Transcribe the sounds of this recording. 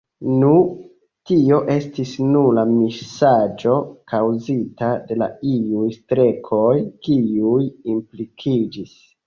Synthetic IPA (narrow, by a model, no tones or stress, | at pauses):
nu | tio̞ʔe̞stisnulamiʃsad͡ʒo̞kawzitade̞la̰iujstɾe̞kʰo̞jkiujimplikʰid͡ʒis